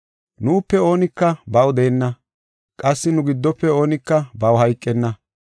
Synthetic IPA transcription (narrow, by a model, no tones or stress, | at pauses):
nuːpːɛo̞ːnɪkːɐbɐwd̪eːnːɐ | kʼɐsːɪnʊɡɪd̪ːɔpːɛo̞ːnɪkːɐbɐwhɐjkʼːɛnːɐ